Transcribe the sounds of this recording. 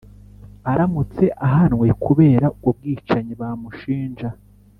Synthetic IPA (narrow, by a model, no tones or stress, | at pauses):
aɾamut͡se̞ʔaɦanwe̞kʰuβe̞ːɾauɡub̚ɡiːt͡ʃaɲiβamuʃiːnʒa